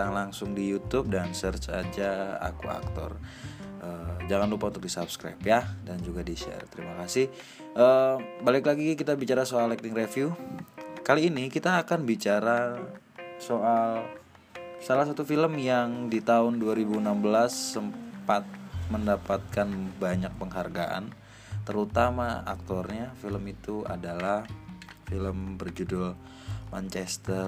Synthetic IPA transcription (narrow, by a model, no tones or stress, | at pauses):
aŋlaŋsʊŋdijut̪up̚dansərt͡ʃa̰d͡ʒaa̰kua̰k̚t̪ɔ̰rʔəd͡ʒaŋanlupaunt̪ʊkdisapskɾa̰pjahdand͡ʒuɡadiʃɛ̰rt̪əɾimakasɪh | ʔəbalɪklaɡikit̪abit͡ʃaɾasoalɛk̚t̪ɪŋrefju | kaliːnikit̪aːkanbit͡ʃaɾa | soʔal | salas̬at̪ufiləmjaŋdit̪aʊnduaɾibuənambəlasəmpat̪̚məndapat̪̚kanbaɲak̚pəŋɦarɡaʔa̰n | t̪əɾut̪amaa̰k̚t̪ɔrɲafiləmit̪ua̰dalah | filəmbərd͡ʒudʊl | mant͡ʃɛst̪ər